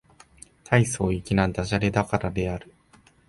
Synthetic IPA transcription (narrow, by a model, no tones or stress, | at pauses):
t̪ʰaiso̞ːikʲinãnd̪aʑaɾed̪akaɾad̪e̞aɾɯ̟